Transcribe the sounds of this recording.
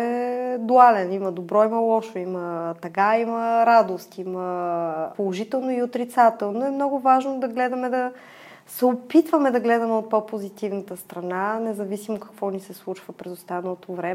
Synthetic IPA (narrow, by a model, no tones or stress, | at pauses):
ɛd̪ualɛniməd̪obɾɔiməlˠɔʃoimət̪ɐkaiməɾad̪ost̪iməpolˠoʒit̪ɛlˠnoiot̪ɾit̪sat̪ɛlˠnoɛmnɔɡʊvaʒnod̪ɐɡlɛd̪ɐmɛd̪ɐ | sɛopit̪vəmɛd̪ɐɡlɛd̪ɐmɛot̪̚popozit̪ivnət̪əst̪ɾɐnanɛzɐvisimokɐ̥kvɔnisɛslˠut͡ʃvəpɾɛzost̪anəlˠot̪ovɾɛ